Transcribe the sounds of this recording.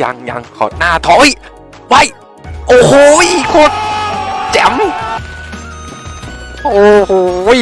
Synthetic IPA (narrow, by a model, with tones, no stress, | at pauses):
ja̰˧ŋja̰˨˧ŋkʰɔ̰ː˨˩˦t̪̚naː˥˩t̪ʰɔː˨˦˥j | wa˧˩˨j | ʔoː˨˧˩hoː˧˦jkʰoː˧˩t̪̚t͡ɕɛ˨˦m | ʔoː˨˩oː˨˧˦